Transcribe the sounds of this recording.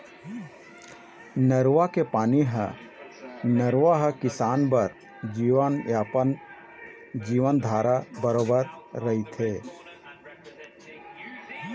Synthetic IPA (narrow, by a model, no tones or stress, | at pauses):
nəɾʋakepaːniɦə̰ | nəɾʋaɦəkɪsaːnbəɾ | d͡ʒiʋənjaːpən | d͡ʒiːʋənd̪ʱaːɾabəɾoːbəɾːəɦit̪ʰe